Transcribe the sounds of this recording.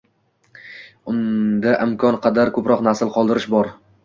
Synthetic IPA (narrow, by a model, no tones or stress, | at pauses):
ʊnd̪aʔɪmkʰɒnqʰɑd̪aɾkʰɵpɾɒqnasɪlˠqʰɒlˠd̪ɪɾɪʃbɒɾ